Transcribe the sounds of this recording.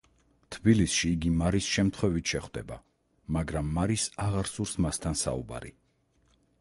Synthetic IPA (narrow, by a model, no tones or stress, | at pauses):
t̪ʰbilisʃiːɡimaɾisʃɛmt̪ʰχwɛvit̪ʃɛχwd̪ɛba | maɡɾamːaɾisaʁaɾsuɾsmast̪ʰansa̰ṵba̰ɾḭ